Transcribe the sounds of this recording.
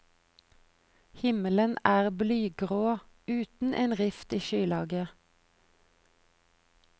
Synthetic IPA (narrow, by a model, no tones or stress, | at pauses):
hɪmələnʔæːʁblyːɡʁoː | ʉːt̪n̩ʔeːnʁɪft̪iːʃyːlɑːɡə